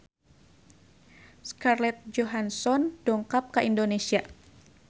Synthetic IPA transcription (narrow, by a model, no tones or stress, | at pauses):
skarlɛt̪̚d͡ʒoɦansɔndɔŋkap̚kəʔindonesia